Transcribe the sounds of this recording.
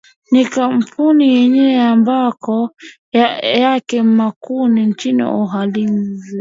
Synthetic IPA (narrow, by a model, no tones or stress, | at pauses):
nikampʰunijɛɲɛɛambakɔ | jakɛm̩makuniɲt͡ʃinḭɔɦalin̩zɛ